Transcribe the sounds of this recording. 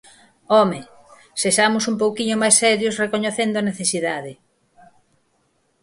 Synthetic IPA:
ɔme | seʃamʊsumpowkiɲʊmajsɛɾjosrekoɲeθend̪ʊɐneθesiðaðɪ

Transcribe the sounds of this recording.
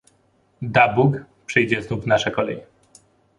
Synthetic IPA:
d̪abuk | pʂɘjd͡ʑɛznuvnaʂɛkɔlɛ̰j

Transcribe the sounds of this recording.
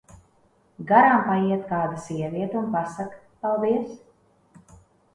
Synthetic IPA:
ɡaɾampajiɛt̪kaːd̪asiɛviɛt̪unpasak | palˠd̪iɛs

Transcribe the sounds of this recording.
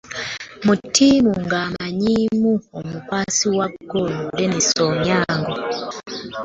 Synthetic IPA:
mutʰːimuŋɡamaɲimuomukwasiwaɡolundenisoɲaːŋɡo

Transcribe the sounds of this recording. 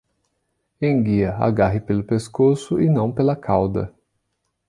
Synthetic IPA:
ẽj̃ɡiɐa̰ɡaɦɪpelʊpeskosʊɪnɐ̃w̃pelɐkʰawd̪ɐ̰

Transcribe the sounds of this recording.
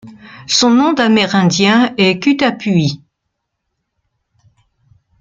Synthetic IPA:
sɔ̃nɔ̃d̪amɛʁɛ̃d̪jɛ̃ɛkʲyt̪apɥi

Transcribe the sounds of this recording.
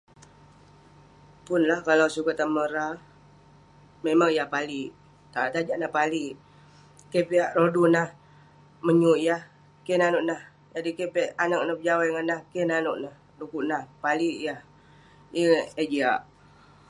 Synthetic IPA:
pʊnlahkalawsukat̪aməɾa | memaŋjahpaliʔ | t̪at̪ad͡ʒaʔnapaliʔ | kepiaʔɾodunah | məɲuʔjah | kɛnanoʔnah | d͡ʒadikepɛʔanak̚napəd͡ʒawajŋanahkɛnanoʔnah | dukuʔnahpaliʔjah | əed͡ʒiaʔ

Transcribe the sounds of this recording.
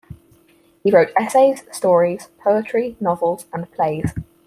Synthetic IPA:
hiɹəʊtʰɛseɪz̥stɔːɹiz̥pʰəʊɪt͡ʃɹ̥inɒvəlˠz̥ə̃npʰl̥eɪz̥

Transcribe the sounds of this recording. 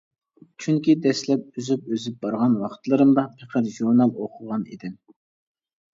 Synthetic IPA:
t͡ʃʰyŋkʲid̪ɛslɛp̚yzyp̚øzyp̚bɑɾʁɑnwɑχt̪ʰlˠɨɾɨmd̪ɑpʰeqʰəɾʒuɾnɑlˠoqʰʊʁɑnḭd̪ɪn

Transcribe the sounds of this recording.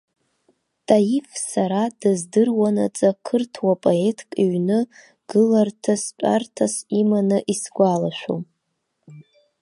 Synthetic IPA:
tʼajifsaɾadɨzdɨrwana̰t͡sʼakʰɨrtʰwapʼoe̞tʰkʼiɥnɨ | ɡ̥ɨlartʰast͡ʃʷʼa̰rtʰasimanɨʔisɡʷalaʃʷᶣo̰

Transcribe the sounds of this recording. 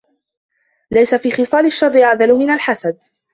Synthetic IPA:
lajsafiːxɨsˤɑːlɪʃːɑrˤːɪʕaðalʊmɪnalħasad̪̚

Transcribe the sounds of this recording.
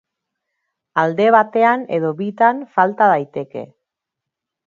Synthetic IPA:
ald̪e̞β̞at̪e̞ane̞̰ð̞o̞βit̪anfalt̪aðajt̪e̞ke̞̰

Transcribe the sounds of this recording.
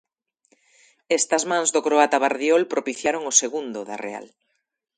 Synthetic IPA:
ɛst̪ɐzmãŋzðokɾoat̪aβaɾðjɔlpɾopiθjaɾoŋoseɣund̪ʊðɐrea̰l

